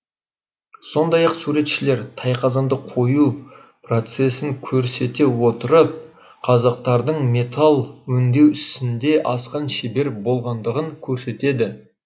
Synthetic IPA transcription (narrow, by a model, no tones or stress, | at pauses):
so̞nd̪ɑjɑqsuɾe̞t̪ʃɪle̞ɾt̪ʰɑjqʰɑzɑnd̪əqʰo̞ju | pro̞t̪se̞sɪŋkʲʰɵɾse̞t̪e̞wo̞t̪əɾəp̚ | qʰɑzɑq̚t̪ɑɾd̪əɴmʲe̞t̪ʰalˠwɵnd̪e̞wʏst̪ɪnd̪e̞ʔɑsqɑnʃebe̞ɾbo̞lˠʁɑnd̪əʁəŋkʲʰɵɾse̞t̪e̞d̪ɪ